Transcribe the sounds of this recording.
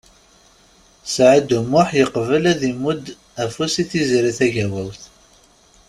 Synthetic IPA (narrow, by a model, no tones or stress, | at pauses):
sʕəd̪umʊħjəqvəlæðimːud̪ | æfusiθizɾiθæʝæwæwθ